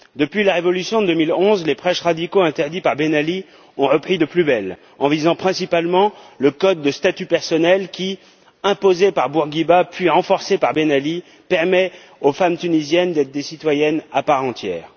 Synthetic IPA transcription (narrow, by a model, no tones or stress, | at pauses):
d̪əpɥilaʁevɔlysjɔ̃əd̪əmilɔ̃zlepχɛʃʁad̪ikoɛ̃t̪ɛʁd̪ipaʁbenali | ɔ̃ʁəpχid̪əplybɛl | ɑ̃vizɑ̃pχɛ̃sipalmɑ̃ləkɔd̪ːəst̪at̪ypɛʁsɔnɛlkʲi | ɛ̃pozepaʁbuʁɡʲibapɥiʁɑ̃fɔʁsepaʁbenali | pɛʁmɛ | ofamt̪ynizjɛnd̪ɛt̪χd̪esit̪wajɛnapaʁɑ̃t̪jɛ̰ːʁ